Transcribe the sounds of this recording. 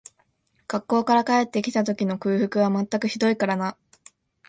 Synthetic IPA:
ɡ̥akːo̞ːkaɾakae̞t̪ːe̞kʲi̥t̪at̪o̞kʲino̞kɯ̟ːɸɯ̟kɯ̟β̞amat̪ːakɯ̟çid̪o̞ikaɾana

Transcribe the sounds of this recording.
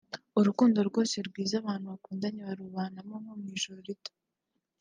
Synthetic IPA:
uɾukuːndo̞ɾɡwo̞ːseɾɡwiːzaβaːn̥huβakuːndaɲeβaɾuβaːnamomomŋiːʒoɾɾito̥

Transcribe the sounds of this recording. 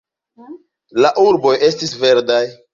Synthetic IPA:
laʔuɾbo̞je̞stisve̞ɾdaj

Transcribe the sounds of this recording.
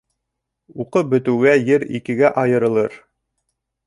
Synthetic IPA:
uqɤp̚bɵ̆t̪ɘ̆wɡæjɘɾḭkɘ̆ɡæʔɑjɤ̆ɾɤ̆lˠɤɾ

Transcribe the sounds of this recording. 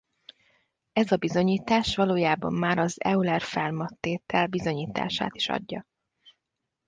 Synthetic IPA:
ɛzɒbizo̞ɲiːt̪aːʃʋɒloːjaːbɒ̰mːaːɾɒzɛ̰ulɛrfɛlmɒt̪ːeːt̪ɛlbizo̞ɲiːt̪a̰ːʃa̰ːt̪i̥ʃɒ̰ɟːɒ̰

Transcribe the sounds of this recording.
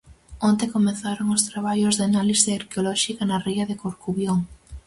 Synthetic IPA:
ont̪ekomeθaɾoŋost̪ɾaβ̞aʎozðeanaliseaɾkeolɔʃikɐnɐriɐðekoɾkuβjoŋ

